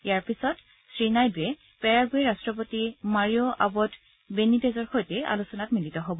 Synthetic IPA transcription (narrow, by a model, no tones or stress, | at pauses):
ijaɹpisɔt | sɹinajdɛ | pɛɹaɡojɹastɹɔp̬otimaɹiɔʔa̰bɔt | benitɛzɔɹxojtɛa̰lusɔnatmilitɔɦobɔ